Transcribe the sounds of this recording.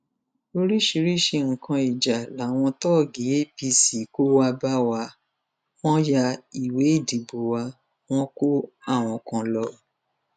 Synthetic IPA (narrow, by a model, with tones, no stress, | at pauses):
o˧ɾi˦ʃi˧ɾi˦˨ʃe˧ŋ̩˨kã˧i˨d͡ʒa˨la˨˦˨w̃ɔ̃˧tɔ˦˨ɡi˨je˦pi˧si˨ko˦wa˧ba˦wa˧ | fɔ̃˦ja˧i˨we˨˦i˦˨di˨bo˨wa˧ | w̃ɔ̃˦ko˦a˦˨w̃ɔ̃˧kã˧lɔ˧